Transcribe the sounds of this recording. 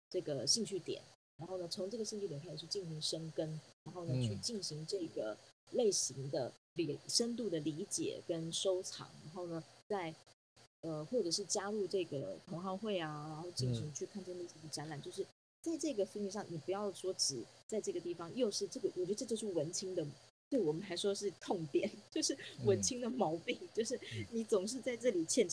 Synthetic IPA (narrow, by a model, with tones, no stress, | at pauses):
ʈ͡ʂɤ˥˩ɡə˩ɕi˥˧ŋt͡ɕʰy˥˩t̪jɛ̰˨˩˦nɻa˧˥nxo˥˩ʊnə˩t͡sʰo˧˥ŋʈ͡ʂɤ˥˩ɡə˩ɕi˥˧ŋt͡ɕʰy˥˩jɛ˨˩nkʰa˥˩ʂʰy˥˧˩t͡ɕi˥˩nɕi˧˥ŋʂə˥ŋkə˥nɻa˧˥nxo˥˩ʊnə˨t͡ɕʰy˥˧t͡ɕi˥˩nɕi˧˥ŋʈ͡ʂɤ˥˩ɡə˩le˥˩ɪɕi˧˥ŋd̪ə˧ | li˨˩ʂə˥nt̪̬u˥˩d̪ə˩li˧˥t͡ɕjɛ̰˨˩kə˦nʂo˥ʊʈ͡ʂʰɑ̰˨˥ŋɻa˧˥nxo˥˩ʊnə˩t͡sa˥˩ɪ | ə˧xwɔ˥˩ʈ͡ʂɤ˨˩ʂɻ̩˥˩t͡ɕja˥ɻu˥˧ʈ͡ʂɤ˥˩ɡə˩t̪ʰʊ˧˥ŋxɑ˥˧ŋxwe˥˩ɪa˩ɻa˧˥nxo˥˩ʊt͡ɕi˥˩ŋɕʰi˧˥ŋt͡ɕʰy˥˧kʰa˥˧nʈ͡ʂə˥˧nlə˥˧si˥˩d̪ə˩ʈ͡ʂa˧˦˥nla˨˩nt͡ɕjo˥˧ʊʂɻ̩˥˩ | t͡sa˥˧ɪʈ͡ʂɤ˥˩˧ɡə˩fu˥˧ŋy˧ʂ̬ɑ˥˩ŋni˨˩pu˧˥jɑ˥˩ʊʂwɔ˥ʈ͡ʂɻ̩˨˩t͡sa˥˧ɪʈ͡ʂɤ˥˩ɡə˩t̪i˥˩fɑ˨˦ŋjo˥˧ʊʂɻ̩˥˧ʈ͡ʂɤ˥˩ɡə˩wɔ˨˩t͡ɕɥ̪ə˧ʈ͡ʂt͡ɕjo˥˧ʊʂɻ̩˥˩wə˧˥nt͡ɕʰi˥ŋd̪ə˨t̪we˥˩ɪwɔ˨˩mə˨˦nxa˧˥ɪʂwɔ˥ʂɻ̩˥˩˧t̪ʰʊ˥˩ŋt̪jɛ̰˨˩˦nt͡ɕjo˥˧ʊʂɻ̩˥˩wə˧˥nt͡ɕʰi˥ŋd̪ə˨mɑ˧˥ʊpi˥˩ŋt͡ɕjo˥˧ʊʂ̬ɻ̩˥˩ni˧˥t͡sʊ˨˩ŋʂ̬ɻ̩˥˧t͡sa˥˧ɪʈ͡ʂɤ˥˩li˨˩t͡ɕʰjɛ˥˩nʈ͡ʂ